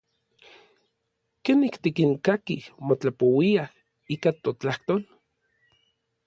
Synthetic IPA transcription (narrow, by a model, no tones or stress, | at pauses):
kenikt̪ikiŋkakihmot͡ɬapowiah | ikat̪ot͡ɬaht̪oːl